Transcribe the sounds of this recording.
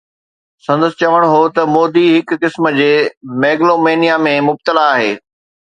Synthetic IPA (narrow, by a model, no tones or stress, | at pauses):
sɐ̃nd̪əsɪ̥̆t͡ɕɐʋəɽ̃ɦot̪ɐmoːd̪iɦɪkːɪsməd͡ʑeːmeːɡlomeːnijamẽmʊb̚t̪əlaːɦeː